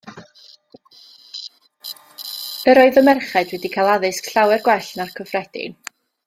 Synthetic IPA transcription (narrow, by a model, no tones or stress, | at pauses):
əɾɔɨðəmɛrχɛdwɛdikʰalˠaðɨskɬawɛrɡwɛɬnarkʰɔvrɛd̥ɪ̰n